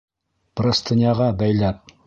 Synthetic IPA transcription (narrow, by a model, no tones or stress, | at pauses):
b̥ɾast̪ʰɤ̆nʲjɑʁɑbæjlæp̚